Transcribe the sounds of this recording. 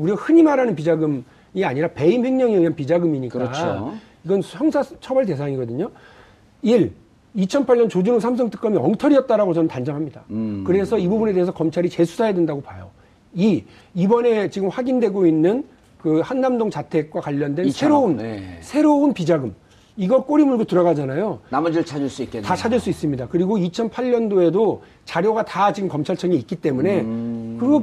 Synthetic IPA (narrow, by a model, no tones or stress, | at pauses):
uɾiahɯɲimaɾanɯnpid͡ʑaɡɯm | iaɲiɾape̞imhe̞ŋɲʌŋiɥiɦanpid͡ʑaɡɯmiɲikkʌao | iɡʌnçjʌŋsʰat͡ɕʰʌbaɭte̞sʰaŋiɡʌdɯɲo | iɾ | it͡ɕʰʌnpʰaɭɲʌnt͡ɕod͡ʑunɯŋsʰams̬ʰʌŋtʰɯ̥k͈ʌmiʌŋtʰʌɾiʌt̚t͈aɾaɡot͡ɕʌnɯntand͡ʑʌŋɦamɲida̰kɯɾe̞sʰʌibubune̞de̞es̬ʰʌkʌmt͡ɕʰaɾit͡ɕe̞sʰu̥sʰajadwendaɡopajo̰ | i | ibʌne̞t͡ɕiɡɯmɸwaɡindwe̞ɡoinːɯn | kɯhanːamdoŋt͡ɕatʰe̞k̚k͈wakwaʎːʌndwensʰe̞ɾounsʰe̞ɾounpid͡ʑaɡɯm | iɡʌk͈oɾimuɭdotɯɾʌɣad͡ʑanajonamʌd͡ʑiɭt͡ɕʰad͡ʑiɭs͈uik͈etat͡ɕʰad͡ʑiɭs͈uis͈ɯmɲidakɯɾiɡoit͡ɕʰʌnpʰaʎɲʌndoe̞do | t͡ɕaɾjoɡatat͡ɕiɡɯmkʌmt͡ɕʰaɭt͡ɕʰʌŋiːk͈̚it͈e̞mune̞kɯɾiɡo